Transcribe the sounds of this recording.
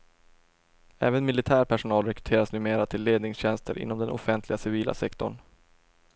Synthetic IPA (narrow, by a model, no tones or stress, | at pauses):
ɛ̰ːvənmɪlɪt̪ʰæːɾpʰæʂʊnɑːlɾɛkɾɵ̥t̪ʰeːɾasnʉ̟ːmeːɾat̪ʰɪlːeːd̪nɪŋsɕɛnst̪ʰə̰ɾʔɪ̰nːɔmd̪ɛnɔ̰fɛnt̪ʰlɪɡasɪviːlʔa̰sɛkt̪ɔ̰ɳ